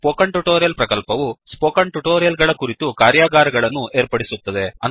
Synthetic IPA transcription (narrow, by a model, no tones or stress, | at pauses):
poːkɐɳʈuʈoːɾjɐlpɾɐkɐlpɐʋuspoːkɐɳʈuʈoːɾjɐlɡɐɭɐkuɾit̪ukaːɾjaːɡaːɾɐɡɐɭɐnːuʔe̞ːɾpɐɽisut̪ːɐd̪e̞ɐn